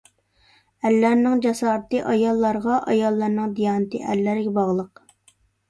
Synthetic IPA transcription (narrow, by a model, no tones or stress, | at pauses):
ælːæɾnɪŋd͡ʒɑsɑːɾt̪ɨʔɑjɑlˠːɑɾʁɑʔɑjɑlˠːɑɾnɨŋd̪ijɑːnɨt̪ʰɨ̰ʔɛlːæɾɡʲɛbɑʁlˠəq